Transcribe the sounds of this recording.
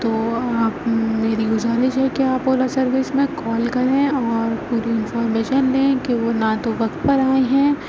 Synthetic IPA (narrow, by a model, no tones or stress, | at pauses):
t̪oːaːpmeːɾiɡʊzaːɾɪʃɦɛkiaːpoːlasɐɾʋɪsmẽkɔːlkɐɾẽɔːɾpuːɾiɪ̃nfɔːɾmeːʃənlẽːkeʋoːnat̪oʋɐkt̪pɐɾaːẽɦɛ̃ː